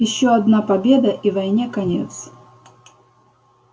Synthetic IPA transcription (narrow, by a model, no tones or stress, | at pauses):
jɪɕːoɐd̪napɐbʲed̪ɐʔivɐjnʲekɐnʲḛt̪s